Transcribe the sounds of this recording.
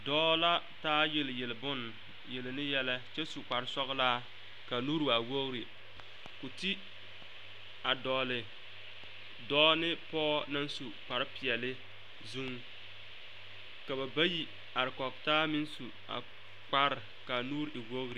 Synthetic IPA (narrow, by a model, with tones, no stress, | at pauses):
dɔː˦la˦ | taː˦je˨lje˨lɪ˨bʊ˦n | je˨lnɪ˦jɛ˦la˦t͡ʃɛ˦su˨k͡pa˨ɾɪ˦sɔ˦ɣlaː˦ | ka˨nuː˦ɾwa˨wo˦ɣɾi˨ | kʊ˨ti˦ | a˨dɔː˨lɪ˨ | dɔː˦nɪ˦pɔː˦na˦nsu˨k͡pa˨ɾɪ˦pɪ˨ɛ˨lɪ˦ | zu˦ŋ | ka˨ba˨ba˦ji˨ | a˨ɾɪ˨kɔ˨k̚taː˦mɪ˦n˦su˨ | a̰˨ | k͡pa˦ɾɪ˨ | ka˨nuː˦ɾɪ˨wo˦ɣɾi˨